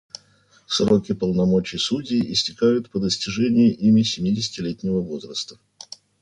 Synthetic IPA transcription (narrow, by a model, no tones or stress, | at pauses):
sro̞kʲɪpəlˠnɐmo̞t͡ɕɪjsudʲiːʔɪsʲtʲɪkajʊt̪pəd̪əsʲtʲɪʐɛnʲɪjɪʔimʲɪsʲɪmʲidʲɪsʲɪ̥tʲɪlʲetʲnʲɪvəvo̞zrəst̪ə̥